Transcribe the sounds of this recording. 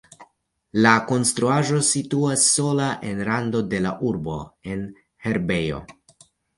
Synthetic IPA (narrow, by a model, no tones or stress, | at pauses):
lako̞nstɾuaʒo̞situasːo̞laʔe̞nɾando̞de̞la̰ʔuɾbo̞̰e̞n | he̞ɾbe̞jo̞̰